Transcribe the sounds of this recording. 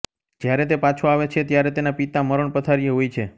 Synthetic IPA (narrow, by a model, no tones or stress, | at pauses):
d͡ʒjaɾɛt̪̬epat͡ʃʰoaʋet͡ʃʰet̪jaɾɛt̪enapit̪aməɾəɳpət̪ʰaɾijeɦojt͡ʃʰe